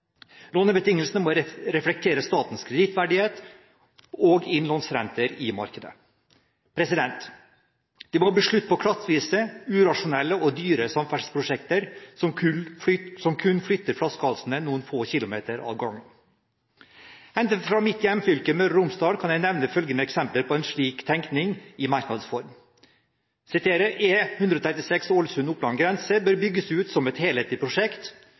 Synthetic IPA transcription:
lonəbət̪ɪŋːəlsnəmɔɾɛflɛk̚t̪ʰeːɾəst̪ɑːt̪n̩skʰɾɛd̪ɪt̪ʰʋæɖɪheːt̪ | ɔːɡɪnlɑnsɾɛ̰nt̪əɾɪmɑ̰ɾkəd̪ə̰ | pʰɾɛsɪd̪ɛnt̪ | d̪̥imɔbəʂɭʉt̪ːpʰɔkʰɾɑt̪ʋiːsəʉːɾɑʂʊnɛlːəɔd̪yːɾəsɑmfæʈspʰɾʊʂɛkt̪əɾsɔm | sɔmkʰʉnflʏt̪ːəɾflɑskɑlsnənuːənfoːçɪlʊmḛːt̪əɾɑ̰ːʋɡɑŋːən | ɛnd̪əfɾɑːmɪt̪jɛmːfʏlkəmœɾəɾʊmsd̪ɑːd̪kʰɑnjæɪnɛʋnəfœlɡənəɛksɛmpləɾpʰɔɛnʂɭiːkt̪ʰɛŋknɪŋɪmɑɾknɑd̪əsfɔɾm | sɪt̪ʰeːɾəʔeːhʉnd̪ɾəɔːt̪ʰɾɛt̪ɪsɛksolsʉnʊpːlɑŋɡɾɛnsəbøːɾbʏɡːəsʉːt̪sɔmɛt̪heːleːt̪ɪpʰɾʊʂɛkt̪

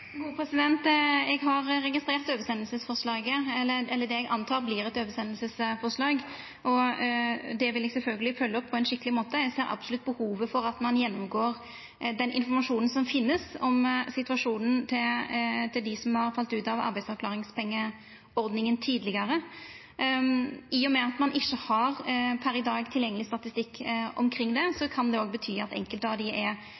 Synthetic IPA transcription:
ɡuːəpʰɾɛsɪd̪ɛnt̪ɛɡɦɑɾːɛɡɪst̪ɾeːʁt̪øːʋəsɛnl̩səsfɔʁʂlɑːɡəɛlːəɛlːəd̪ɛɛɡʔɑnt̪ʰɑːɾblɪɾɛt̪øːʋəsɛnəlsəsfɔʁʂlɑːɡ | ʔɔ | d̪ɛʋɪlɛɡsɛlfœlɡəlɪfœlːəɔpːʰɔɛnʂɪkːəlɪmoːt̪əɛɡseːɾɑ̰bsʊlʉt̪̚bəhuːʋəfɔɾɑt̪mɑnjɛnːʊmɡoːʁ | d̪ɛnʔɪ̰nfɔɾmɑʂuːnn̩sɔmfɪnːəsɔmsɪt̪ʉʋɑʂuːnən̩t̪ʰɪt̪ʰɪld̪ɪsɔmhɑɾfɑlt̪ʉːt̪ɑʋɑ̰ɾbæɪdsɑɾkʰlɑːɾɪŋspʰɛŋːə | ɔɾd̪nɪŋənt̪ʰyːd̪əlɪɡəɾə | iːɔmɛɑt̪mɑnʔɪçːəhɑɾpʰæɾɪd̪ɑːɡt̪ʰɪljɛŋːəlɪst̪ɑt̪ɪst̪ɪkːɔ̰mkʰɾɪŋːd̪ɛsɔkʰɑnd̪ɛoːɡbət̪ʰyːɑt̪ɛ̰ŋkəlt̪ɑd̪ɪʔɛ

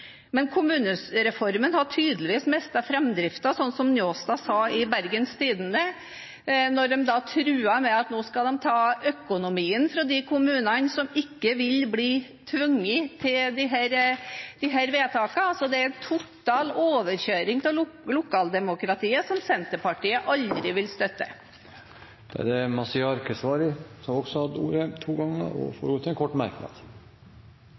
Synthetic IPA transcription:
mɛnkʰʊmʉːnəɾɛfɔɾmənhɑʈʰyːd̪əlɪʋiːsmɛst̪ɑfɾɛmd̪ɾɪft̪ɑsɔnːsɔmnjoːst̪ɑsɑːɪbæɾɡənst̪ʰiːd̪ənə | nɔɖɛmd̪ɑt̪ʰɾʉːɑmɛɑt̪noːskɑld̪ɛmt̪ʰɑːœkʊnʊmiːənfɾɑd̪ɪkʰʊmʉːnɑnsɔmɪkːəʋɪlbliː | t̪ʰʋʉŋːət̪ʰɪld̪ɪɦæɾd̪̥ɪɦæɾʋeːt̪ʰɑːkɑɑsɔd̪ɛæɾt̪ʰʊt̪ːɑːloːʋəɾçøːɾɪŋt̪ɔlʊkʰɑːld̪ɛmʊkɾɑt̪ʰiːəsɔmsɛnt̪əpɑʈiːəʔɑld̪ɾɪʋɪlst̪œt̪ːə̰ | d̪̥ɛæ̰d̪ɛmɑsɪɑɾkəsʋɑːɾəsɔmɔɡsɔhɑd̪ṵːɾət̪ʰuːɡɑŋːə̰ɔ̰fo̰ːɾɔt̪ʰːɛnkʰɔʈːmæɾknɑ̰d̪̥

